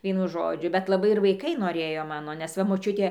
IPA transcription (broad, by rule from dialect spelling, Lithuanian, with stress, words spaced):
ˈʋʲiɛnʊ ˈʒoːd͡ʒʲʊ bʲɛt lˠɐˈbɐɪ ɪr ʋɐɪˈkɐɪ noːˈrʲeːjoː ˈmɑːnoː nʲɛs ˈʋɐ moːˈt͡ʃʲʊtʲeː